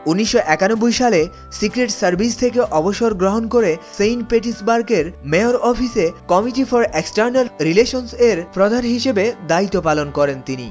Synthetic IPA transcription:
unːiʃːoʔɛkanobːojʃale | sikɾeʈsɐɾbʱist̪ʰekeʔɔboʃoɾɡɾoɦonkoɾesejnpeʈisbaɾkeɾmeoɾɔfʰisekɔmiʈifɔɾeksʈaɾnalɾileʃonseɾfɾɔd̪ʱanɦiʃebed̪ait̪ːopalonkɔɾent̪inḭ

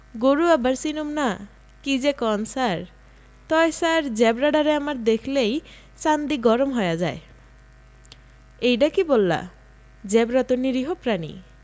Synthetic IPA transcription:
ɡoɾuabaɾsinomna | kid͡ʑekɔnsaɾ | t̪ɔesaɾd͡ʑɛbɾaɖaɾeamaɾd̪ekʰlej | sand̪iɡɔɾomɦɔjad͡ʑae | ejɖakibolːa̰ | d͡ʑɛbɾat̪oniɾiɦopɾanḭ

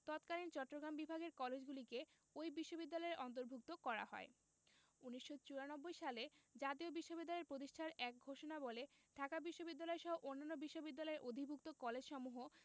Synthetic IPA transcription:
t̪ɔt̪kalint͡ɕɔʈːɾoɡɾambibʱaɡeɾkɔled͡ʑɡulike | ojbiʃːobid̪ːalɔeɾʔɔnt̪̬oɾbʱuk̚t̪okɔɾa̰hɔ̰e | uniʃːot͡ɕuanɔbːojʃaled͡ʑat̪iobiʃːobid̪ːalɔeɾpɾot̪̬iʃʈʰaɾɛk̚ɡʱoʃonaboleɖʱakabiʃːobid̪ːalɔeɾʃɔɦoʔonːanːobiʃːobid̪ːalɔeɾʔod̪ʱibʱuk̚t̪okɔled͡ʑʃɔmuɦo

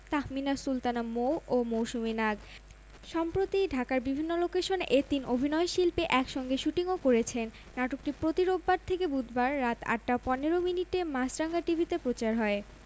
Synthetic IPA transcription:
t̪ahminaɾsult̪anamowomowʃuminaɡ | ʃɔmpɾot̪iɖʱakaɾbibʱinːolokeʃonet̪inobʱinɔeʃilpeʔɛkʃɔŋɡeʃuʈiŋokoɾet͡ɕʰenːaʈok̚ʈipɾot̪iɾobːaɾt̪ʰekebud̪ʱbaɾːat̪a̰ʈːapɔneɾominiʈemasɾaŋɡaʈibʱit̪epɾot͡ɕaɾɦɔe

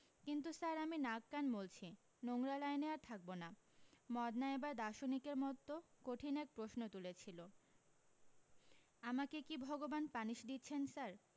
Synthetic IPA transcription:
kint̪̬usaɾaminakːanbolt͡ɕʰi | noŋɾalaeneaɾt̪ʰak̚bonamɔd̪naebaɾd̪aʃonikeɾmɔt̪ːokoʈʰinɛk̚pɾoʃnot̪ulet͡ɕʰilo | amakekibʱɔɡobanpaniʃd̪itːɕʰensaɾ

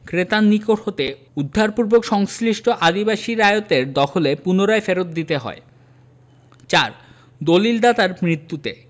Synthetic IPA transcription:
kɾet̪anːikoʈɦot̪e | ud̪ʱːaɾpuɾbokʃɔŋsliʃʈʰoʔad̪ibaʃiɾaeot̪eɾd̪ɔkʰolepunoɾaefeɾot̪̚d̪it̪eɦɔ̰e | t͡ɕaɾ | d̪olild̪at̪aɾmɾit̪ːut̪e

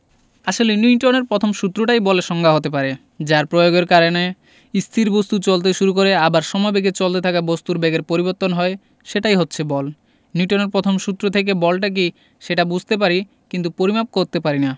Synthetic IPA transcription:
aʃolenuʈoneɾpɾɔt̪ʰomʃut̪ːɾoʈajbɔleʃɔŋɡʱaɦot̪ep̬aɾe | d͡ʑaɾpɾojoɡeɾkaɾone | ist̪ʰiɾbost̪ut͡ɕolt̪̬eʃuɾuk̬oɾeabaɾʃɔmɔebeɡet͡ɕolt̪et̪ʰakabost̪uɾbeɡeɾpoɾiboɾt̪ːonɦɔe | ʃeʈajɦotːɕʰebɔl | nuʈoneɾpɾot̪ʰomʃut̪ːɾot̪ʰek̬ebɔlʈak̬i | ʃeʈabud͡ʑʱt̪ep̬aɾi | kint̪upoɾimap̚koɾt̪epaɾina

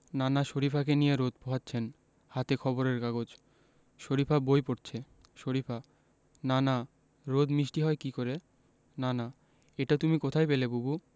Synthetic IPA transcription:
nanaʃoɾipʰak̬enijeɾod̪̚poɦatːɕʰen | hat̪ekʰɔboɾeɾkaɡod͡ʑ | ʃoɾipʰabojpoɾt͡ɕʰe | ʃoɾipʰa | nana | ɾod̪miʃʈiɦɔekikoɾe | nana | eʈat̪umikot̪ʰajpelebubu

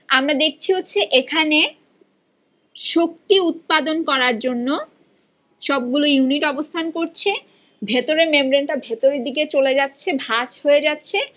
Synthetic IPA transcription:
amɾad̪ek̚ʰt͡ɕʰiɦotːɕʰeʔekʰane | ʃok̚t̪iut̪̚pad̪onkɔɾaɾd͡ʑonːo | ʃɔb̚ɡulojuniʈɔbost̪ʰankoɾt͡ɕʰe | bʱet̪oɾeɾmembɾeɳʈabʱet̪oɾeɾd̪iket͡ɕoled͡ʑatːɕʰebʱat͡ɕhoed͡ʑatːɕʰe

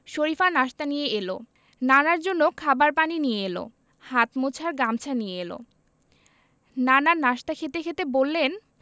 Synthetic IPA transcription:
ʃoɾifanaʃt̪anijeelo̰ | nanaɾd͡ʑonːokʰabaɾpaninijeelo̰ | hat̪mot͡ɕʰaɾɡamt͡ɕʰanijeelo̰ | nanaɾnaʃt̪akʰet̪ekʰet̪ebolːen

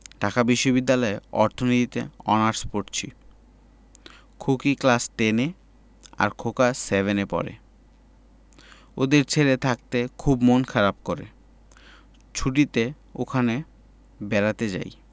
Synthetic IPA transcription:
ɖʱakabiʃːobid̪ːalɔeɔ̰ɾt̪ʰonit̪it̪ḛɔ̰naɾspoʈt͡ɕʰḭ | kʰukiklasʈene | a̰ɾkʰokasebenepɔ̰ɾḛ | od̪eɾt͡ɕʰeɾet̪ʰak̚t̪ekʰubmonkʰaɾab̚koɾḛ | t͡ɕʰuʈit̪e | o̰kʰane | bɛɾat̪ed͡ʑa̰j

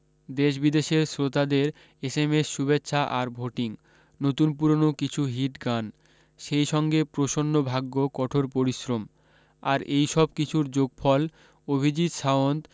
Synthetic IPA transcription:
d̪eʃ̬bid̪eʃeɾsɾot̪ad̪eɾ | esemesːubetːɕʰaʔaɾbʱoʈiŋ | not̪unpuɾonokit͡ɕʰuɦiʈɡan | ʃejʃɔŋɡepɾoʃonːobʱaɡːokɔʈʰoɾpoɾiʃɾom | aɾejʃɔb̚kit͡ɕʰuɾd͡ʑoɡ̚fʰɔl | obʱid͡ʑit̪ʃaont̪

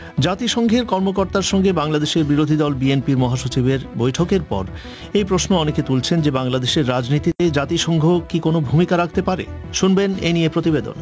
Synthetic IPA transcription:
d͡ʑat̪iʃɔŋɡʱeɾkɔɾmokoɾt̪aɾʃɔŋɡebaŋlad̪eʃeɾbiɾod̪ʱid̪ɔlbienpiɾmɔɦaʃot͡ɕibeɾbojʈʰokeɾpɔ̰ɾ | ejpɾosnoɔneket̪ult͡ɕʰend͡ʑebaŋlad̪eʃeɾːad͡ʑnit̪it̪ed͡ʑat̪iʃɔŋɡʱokikonobʱumikaɾakʰt̪epaɾḛʃunbeneniepɾot̪ibed̪o̰n

